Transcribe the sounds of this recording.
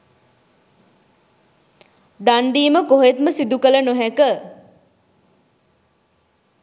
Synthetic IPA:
d̪and̪iːməkoɦet̪məsid̪ukələnoɦɛkə

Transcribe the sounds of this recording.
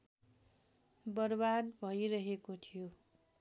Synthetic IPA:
bʌrbad̪bʱʌjɾʌɦekot̪ʰijo

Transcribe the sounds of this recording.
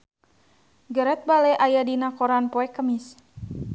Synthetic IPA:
ɡəɾɛt̪̚balɛʔajadinakɔɾanpɔɛkːəmis

